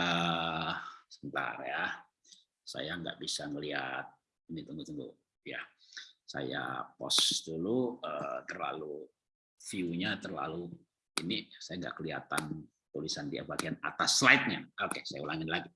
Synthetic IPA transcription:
ə | səmənt̪a̰rja | sa̰jaŋɡa̰ʔbisaŋəliɦa̰t̪̚ | init̪uŋɡut̪əŋɡṵ | ja̰sa̰ja̰pɔ̰sduluət̪ərla̰lu | fiuɲat̪ərla̰lu | inisajaŋɡa̰ʔkəlia̰t̪an | t̪ulisandiapakeana̰t̪aslaɪt̪̚ɲaokesajaulaŋɪnlaɡi

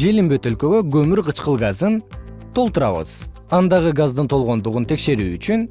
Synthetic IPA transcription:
ʒe̞limbe̞t̪ølkø̞ɡø̞ɡɵmyɾqʰət͡ʃqəlˠɡɑzənt̪ʰo̞lˠt̪uɾɑ̰βə̰z̥ | ɑnd̪ɑʁəɡɑzd̪ənt̪ʰo̞lˠʁo̞nd̪uʁunt̪ʰe̞kʃe̞ɾʉːyt͡ʃyn

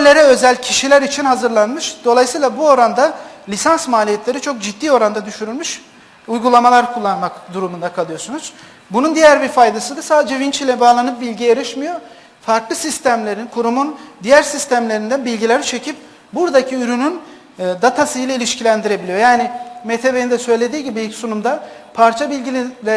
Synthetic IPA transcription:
lʲe̞ɾɛø̞zælʲcʰiʃilʲæɾit͡ʃʰinhazɯɾlˠanmɯʃd̪̥o̞lˠajɯsɯːlˠabuo̞ɾand̪alʲisansmaːlʲijɛt̪ʰlʲe̞ɾit͡ʃʰo̞k̚d͡ʒit̪ːiːo̞ɾand̪ad̪yʃyɾylʲmyʃ | ujɡulˠamalˠaɾkʰulˠːanmakd̪uɾumund̪akʰalˠɯjo̞sunuz̥ | bunund̪ijæɾbiɾfajd̪asɯd̪ɯsaːd̪ed͡ʒɛvint͡ʃʰilʲɛbaːlˠanɯp̚bilʲɟijeɾiʃmijo̞ | faɾklˠɯsist̪ʰæmlʲe̞ɾinkʰuɾumund̪ijæɾsist̪ʰæmlʲe̞ɾind̪ænbilʲɟilʲæɾt͡ʃʰe̞cʰip̚ | buɾd̪acʰiyɾynyn | d̪at̪ʰasɯjlʲˠailʲiʃcilʲænd̪iɾe̞bilʲijo̞jaːnimet̪ʰe̞be̞ind̪ɛsøjlʲe̞d̪iːɟibiilʲcsunumd̪a | pʰaɾt͡ʃʰabilʲɟilʲlɛ

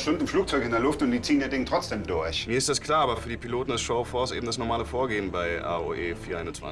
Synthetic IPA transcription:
ʃtʊndɪmfluːk̚t͡sɔʏkɪndeɐlʊftʊntd̥iːt͡siːəniɐdɪŋətʁ̥ɔt͡sd̥eːmdʊɐçmiːɐɪstd̥askl̥aːɐaːbɐfyːɐdiːpʰiloːtn̩dɛsʃoʊfɔːsʔeːbm̩d̥asnɔɐmaːləfoːɐɡeːənbaɪʔa̰ːo̰ʔeːfiːɐa̰ɪnʊnt͡sv̥a̰n

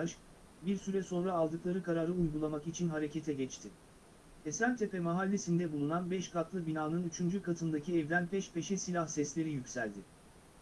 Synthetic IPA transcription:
aʃk | biɾsyɾɛso̞nɾaːlˠd̪ɯklˠaɾɯkʰaɾaːɾɯujɡulˠamakit͡ʃʰinɦaɾe̞ce̞t̪ʰɛɟɛt͡ʃt̪ʰɪ | esæmʲt̪ʰe̞pɛmaɦalʲːesind̪ɛbulˠunanbɛʃkat̪lˠɯbinaːnɯnyt͡ʃʰynd͡ʒykat̪ʰɯnd̪acʰiɛvd̪ʲænpʰɛʃpʰe̞ʃɛsilʲahsɛslʲe̞ɾijycʲsælʲd̪ɪ

